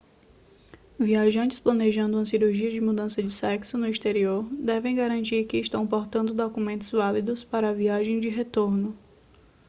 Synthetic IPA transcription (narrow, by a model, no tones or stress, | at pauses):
viaʒɐ̃nt͡ʃɪ̥splɐneʒɐ̃nd̪ʊũɐsiɾuɾʒiɐd͡ʒɪmud̪ɐ̃sɐd͡ʒɪsɛksʊnʊist̪eɾioɾd̪ɛvẽj̃ɡaɾɐ̃nt͡ʃiɾkɪʃt̪ɐ̃w̃poɾt̪ɐ̃nd̪ʊd̪okumẽnt̪ʊzvalid̪ʊspaɾɐːviaʒẽj̃d͡ʒɪɦet̪oɾnʊ